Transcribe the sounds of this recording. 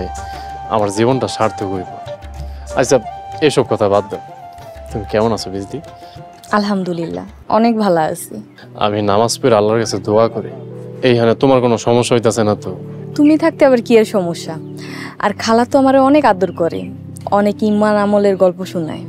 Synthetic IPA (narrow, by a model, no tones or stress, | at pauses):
a̰maɾzibonʈaʃaɾt̪ʰoɡojbo | a̰t͡ɕsab̚ejʃɔb̚kɔt̪ʰabad̪ːe | t̪umikɛmonasʰobizdi | alɦamd̪ulilːa̰ | ɔ̰nek̚bʱalaa̰sʰi | a̰minamaspuɾalːaɾkasʰed̪oakoɾiejɦanet̪omaɾkonoʃɔmoʃːaɦojt̪̬easʰenat̪ot̪umit̪ʰak̚t̪eaβaɾkieɾʃɔmoʃːa | a̰ɾkʰalat̪oamaɾeɔnekad̪oɾkɔɾḛ | ɔnekimːanamoleɾɡɔlpoʃunːa̰e